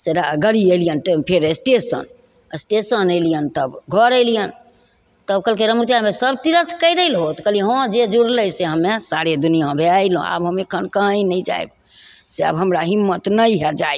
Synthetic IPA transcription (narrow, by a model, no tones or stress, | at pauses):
seɾaɡəɾielijənʈpʰeɾesʈesə̰n | esʈesənəlijənt̪əbɡʱɔɾəjlijən | t̪əb̚kəlkeɾəmɾut̪jamesəb̚t̪iɾəɾt̪ʰkəɪɾəlɦot̪kəliɦɔ̃d͡ʒed͡ʒuɽləjseɦəmːesaɾed̪unijabʱeaɪlõ̰a̰bɦəmekʰənkəɦə̃inəjd͡ʒa̰jb | seə̰bɦəmɾaɦimːət̪nəjɦɛd͡ʒaj